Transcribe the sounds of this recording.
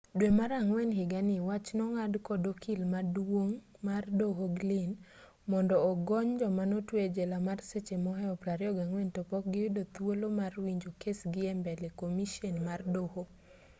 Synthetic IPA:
dwemaɾaŋwɛnɦɪɡanɪwat͡ʃnɔŋadkɔdokʰilmadwoŋmardoɦoɡlɪn | mɔndɔːɡɔɲd͡ʒɔmanotwed͡ʒɛlamarset͡ʃemɔɦɛɔpɾaɾjɔɡaŋwɛntopɔk̚ɡɪwɪdot̪wolomarwiɲd͡ʒokʰesɡɪɛmbɛlekomiʃɔnmardoho

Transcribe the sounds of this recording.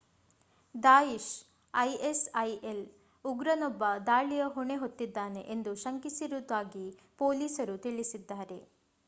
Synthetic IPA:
d̪aːjiʃ | ɐjesɐjel | uɡɾɐnɔbːɐd̪aːɭijɐɦuɳe̞ɦot̪ːid̪ːaːne̞ʔend̪uʃɐŋkisiɾud̪aːɡipoːliːsɐɾut̪iɭisid̪ːaːɾe̞

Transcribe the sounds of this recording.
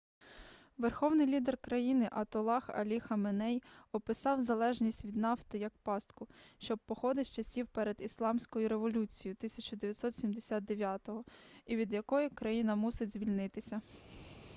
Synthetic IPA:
ʋerxɔwnɪjlʲid̪erkɾɐjinɪʔɐt̪ɔlˠɑxɐ̰lʲixɐmenɛjɔpɪsɑwzɐlˠɛʒnʲisʲtʲʋʲid̪nɑft̪ɪjɐk̚pɑst̪kʊʃt͡ʃɔb̚pːɔxɔd̪ɪsʲt͡ʃɐsʲiwpɛɾed̪islˠɑmsʲkɔjʊɾeʋɔlʲut͡sʲijit̪ɪsʲɐt͡ʃʊd̪eʋʲjɐt̪ʲsɔt̪sʲimd̪esʲad̪̚d̪eʋʲjat̪ɔɦɔiʋʲid̪jɐkɔjʊkɾɐjinɐmusɪdʲzʲʋʲilʲnɪt̪ɪsʲɐ

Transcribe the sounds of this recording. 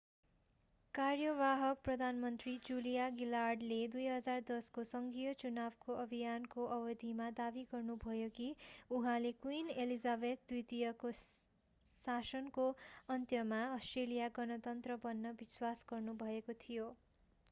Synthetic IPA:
karjʌbaɦʌk̚prʌd̪ʱanmʌnt̪rid͡zulijaɡilarɖled̪ujɦʌd͡zard̪ʌskosʌŋɡijʌt͡sunabkoʔʌbʱijankoʔʌbʌd̪ʱimad̪abiɡʌrnubʱʌjokiuɦãlekuinelizabed̪̚d̪wit̪ijʌko | sasʌnkoʌnt̪jʌmaʌsʈrelijaɡʌnʌt̪ʌnt̪rʌbʌnːʌbiswasɡʌrnubʱʌekot̪ʰijo

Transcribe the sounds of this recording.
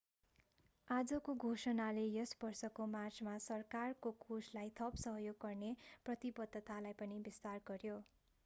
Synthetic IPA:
ad͡zʌkoɡʱosʌnalejʌsbʌrsʌkomart͡smasʌrkarkokʰuslajt̪ʰʌpsʌɦjoɡ̚kʌrneprʌt̪ibʌd̪ʱːʌt̪alajpʌnibist̪arɡʌrjo

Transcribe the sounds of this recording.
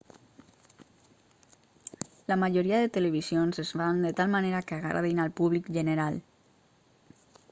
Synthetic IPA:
lamaʒoɾiaðet̪eleβ̞izionzezfand̪ət̪almaneɾakeaɣa̰ɾa̰ðinalpuβlikʒəneɾal

